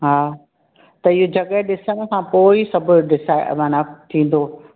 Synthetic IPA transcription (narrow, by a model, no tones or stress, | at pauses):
ɦaː | t̪ɐɪɦod͡ʑɐɠəɦɗɪsəɽ̃̆kʰãpoːisɐbʱʊɗɪsaːmaːnaːt̪ʰĩːn̆d̪o